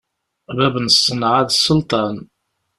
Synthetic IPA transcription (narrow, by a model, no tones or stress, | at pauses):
bæbənsːənʕaðsːəlt̪ˤɑn